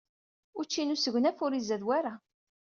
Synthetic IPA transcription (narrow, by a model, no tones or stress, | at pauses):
ʊɾt͡ʃːinusəʝʷnæfʊɾizæðwaɾa